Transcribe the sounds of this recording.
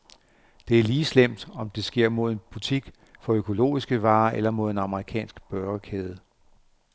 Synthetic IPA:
d̥e̝æɐliːslem̰d̥ɒ̽md̥e̝sɡ̥e̝ɐ̰mo̝ð̞̰ˠe̝nb̥ut͡sʰiɡ̥ | fɒ̽økʰo̝lo̝̰ːisɡ̥əʋɑ̈ːʔelɐmo̝ð̞ˠe̝nɑ̈məʁikʰɛ̰ːnsɡ̥b̥ɶɐəkʰeːð̞ˠə

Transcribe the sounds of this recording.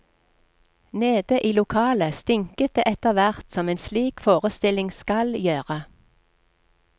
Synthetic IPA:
neːd̪əʔiːlʊkʰɑːləst̪ɪŋkət̪̚d̪eːʔɛt̪əʁʋæʁt̪sɔmeːnsliːkfoːʁəst̪ɪlɪŋskɑljøːʁə

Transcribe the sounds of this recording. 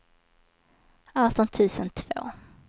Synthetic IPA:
aːt̪ɔnt̪ʰʉ̟ːsənt̪ʰv̥o̰ː

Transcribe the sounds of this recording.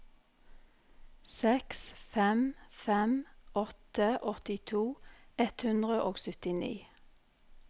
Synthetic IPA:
sɛksfɛmfɛmʔɔt̪əʔɔt̪ɪt̪ʰuːɛt̪hʉnd̪ʁəʔoːɡsʏt̪ɪnḭː

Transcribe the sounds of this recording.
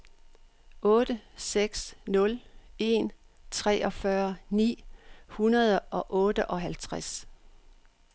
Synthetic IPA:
ɔ̽ːd̥əseɡ̥snɔ̽le̝̰ːn | t͡sʰʁɛ̰ːɒ̽fɶɐnḭːhunɐð̞ˠəʔɒ̽ʔɔ̽ːd̥əʔɒ̽ɦælt͡sʰʁas

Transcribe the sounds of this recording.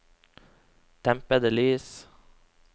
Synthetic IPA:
t̪ʰɛmpəd̪əlyːs

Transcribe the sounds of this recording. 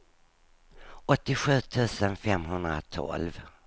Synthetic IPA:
ɔt̪ːɪɧʉ̟ːt̪ʰʉ̟ːsənfɛmɦɵnd̪ɾa̰t̪ʰɔ̰lv

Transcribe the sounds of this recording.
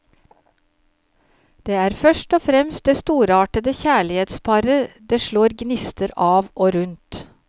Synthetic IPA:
d̪̥eːæːɾfœʃʈɔːfɾɛmst̪̚d̪eːst̪uːɾɑːʈəd̪əçæːɭɪheːt̪spʰɑɾəd̪eːʃɭoːɾɡnɪst̪əɾɑːʋoːɾʉnt̪

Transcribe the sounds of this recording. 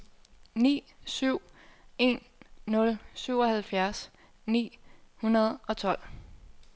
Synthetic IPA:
nḭːsyʊ̰e̝nː | ɔ̽lsyʊ̰ɒ̽hælfjæɐs | nḭːhunɐð̞̩ˠɒ̽t͡sʰɒ̽l̰

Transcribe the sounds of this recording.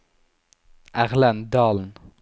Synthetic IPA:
æʁlænd̪ɑːln̩

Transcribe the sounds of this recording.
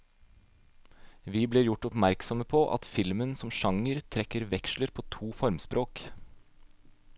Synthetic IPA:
ʋiːbleːɾjʊʈɔpmæɾksɔməpʰoːʔɑ̰t̪fɪlmənsɔmʃɑŋəɾt̪ʰɾɛkəɾʋɛkʃləɾpʰoːt̪ʰuːfɔɾmspɾʔoːk

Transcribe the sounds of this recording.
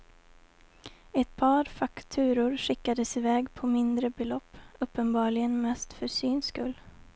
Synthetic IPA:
ɛt̪pʰɑːɾfakt̪ʰʉ̟ːɾʊɾʂɪkːad̪əsɪvɛːɡpʰɔmɪnd̪ɾəbɛlɔpːɵpːənbɑːɭɪɡənmɛst̪fœsyːnskɵlː

